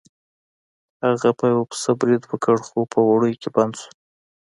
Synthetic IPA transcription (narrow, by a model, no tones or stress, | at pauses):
haɣapajwapə̥sabɾid̪wəkəɽxopəwaɽəjkeband̪su̥